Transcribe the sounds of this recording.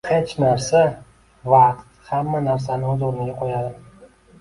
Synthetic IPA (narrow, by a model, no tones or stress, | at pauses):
het͡ʃnaɾsa | vaqt̪hamːanaɾs̬anɪɵzoɾɪnɪɡʲaqʰojad̪ɪ